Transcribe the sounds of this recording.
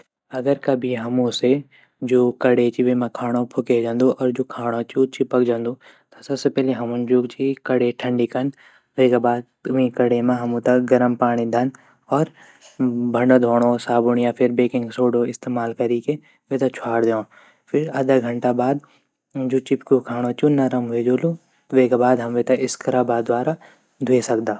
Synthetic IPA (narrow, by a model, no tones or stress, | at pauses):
ɐɡəɾkɐbʱiɦɐmũse | d͡ʒoːkɐɽet͡ʃiʋemãkʰaːɽ̃opʰʊked͡ʒãːnd̪ũʔɔːɾd͡ʒoːkʰaːɽ̃ot͡ʃuːt͡ʃipəkd͡ʒãːnd̪ũ | t̪ɐsɐbsepɛːɦleɦɐmʊ̃nd͡ʒuːt͡ʃikɐɽeʈʰɐ̃ɳɖikɐn | ʋeikabaːd̪̚ | mĩkɐɽemãɦɐmũt̪ɐɡɐɾəmpaːɽ̃id̪ʱɐn | ɔːɾ | bʱɐ̃ɳɖod̪ʱoːɽ̃osaːbʊɳijãpʰɪɾbeːkɪ̃ŋɡsoːɖoɪst̪eːmaːlkɐɾike | ʋet̪ɐt͡ʃʰaːɽd̪eõː | fʰɪɾɐːd̪aɡʱɐ̃ɳʈabaːd̪ | d͡ʒuːt͡ʃɪpkokʰaːɽ̃ot͡ʃunɐɾɐmɦed͡ʒoːlu | ʋekabaːd̪ɦɐmʋet̪ɐɪskɐɾaːbaːd̪waːɾa | d̪ʱuesɐkd̪aː